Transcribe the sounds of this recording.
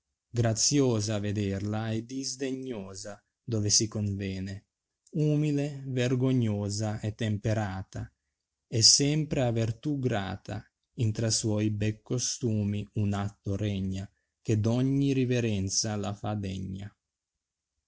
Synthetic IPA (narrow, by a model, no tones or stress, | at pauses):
ɡɾat̪sjoːzaːved̪ɛrlaɛd̪izd̪eɲːoːza | d̪ɔvesikoɱvɛːne | umileverɡoɲːoːzaɛt̪ːempeɾaːt̪a | ɛsːɛmpɾeavert̪uɡɾa̰ːt̪ʰa̰ | int̪ɾaswɔjbɛkːost̪uːmiunat̪ːoɾɛɲːa | k̟ed̪ɔɲːiɾiveɾɛnt̪salafad̪ɛɲːa̰